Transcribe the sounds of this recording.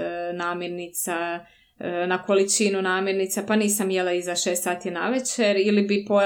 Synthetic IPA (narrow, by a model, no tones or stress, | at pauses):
naːmjeɾnit̪sa | nako̞lit͡ʃinunaːmjeɾnit̪sapaniːsamjelˠaizaʃe̞ːst̪saːt̪ijena̰ʋet͡ɕeɾilibipo